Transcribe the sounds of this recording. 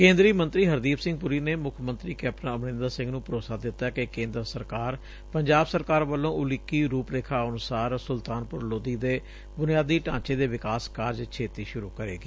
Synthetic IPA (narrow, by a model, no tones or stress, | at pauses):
kẽːnd̪ɾiːmənt̪ɾiːɦəɾd̪iːpʰsɪ̃ŋɡ̚pʊɾiːneːmʊkʰmənt̪ɾiːkɛəpʈəãəbnɪ̃ːnd̪aːsɪ̃ŋɡnũːpəɾoːsaːd̪ɪt̪ːaːkɪkẽːnd̪ɾsəɾkaːɾ | pəɲd͡ʒaːbsəɾkaːɾʋəlːõːʔʊlɪkːiːɾuːpleːkʰaːənʊsaːɾsʊlt̪aːnpʊɾloːd̪iːd̪eː | bʊnɪjaːd̪iːʈãːt͡ʃeːd̪eːʋɪkaːskaːɾd͡ʒt͡ʃʰeːt̪iːʃʊɾuːkəɾḛːɡiː